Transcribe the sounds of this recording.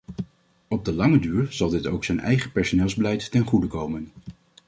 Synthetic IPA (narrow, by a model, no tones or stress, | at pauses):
ɔb̚dəlɑŋədyːɹz̥ɑlˠdɪto̰wksɛnɛ̰jχəpɛɹsonɪːlˠzbəlɛjtːɛnχudəkowmən